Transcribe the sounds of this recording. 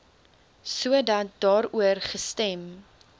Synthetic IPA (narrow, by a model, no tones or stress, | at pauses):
suədɐt̚dɑːɾuərχəstɛm